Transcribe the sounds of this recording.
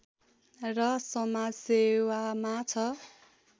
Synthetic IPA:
rʌsʌmad͡zsewamat͡sʰʌ

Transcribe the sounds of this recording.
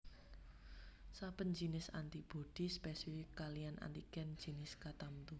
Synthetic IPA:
sab̥ənd͡ʒi̤nɪsa̰nt̪ib̥od̪̥i̤spɛsifɪkalijana̰nt̪ikɛn̥d͡ʒ̥i̤nɪskat̪amt̪u

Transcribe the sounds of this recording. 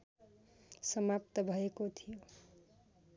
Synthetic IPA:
sʌmap̚t̪ʌbʱʌekot̪ʰijo

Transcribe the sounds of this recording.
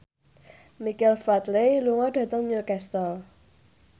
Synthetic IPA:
mikɛlfɾat̪leluŋɔɖ̥ä̤t̪əŋɲəkɛst̪ɔl

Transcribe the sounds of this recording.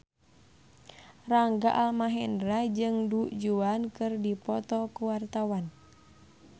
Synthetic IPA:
raŋɡaʔalmaɦɛndɾad͡ʒɨŋduʔd͡ʒuankɨrdipɔt̪ɔkuwart̪awan

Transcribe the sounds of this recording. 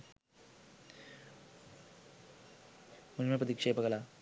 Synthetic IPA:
mulmepɾɐt̪ikʂeːpɐɡɐla

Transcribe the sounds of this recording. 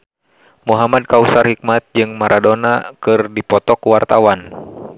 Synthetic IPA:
muɦamad̚kausarhik̚mat̪̚d͡ʒɨŋmaɾʔadɔnakɨrdipɔt̪ɔkuwart̪awan

